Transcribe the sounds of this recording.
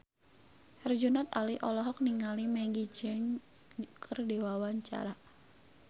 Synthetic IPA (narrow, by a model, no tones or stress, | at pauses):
hɛrd͡ʒunat̪aliʔɔlɔɦɔk̚niŋalimɛɡid͡ʒɛŋ | kʰɨrdewawaɲt͡ʃa̰ɾa